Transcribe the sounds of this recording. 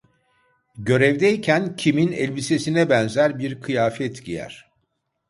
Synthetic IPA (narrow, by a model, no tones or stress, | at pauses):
ɟø̞ɾɛvd̪ɛjicʰæncʰiminɛlʲbise̞sinɛbɛnzæɾbiɾkʰɯjaːfɛt̪ʰɟijæ̰ɾ̥